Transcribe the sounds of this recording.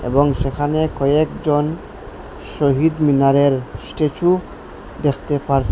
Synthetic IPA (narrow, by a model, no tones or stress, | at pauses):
ḛbɔŋʃekʰanekɔjekd͡ʑɔn | ʃoɦid̪minaɾeɾsʈet͡ʃʰu | d̪ekʰt̪epaɾsʰe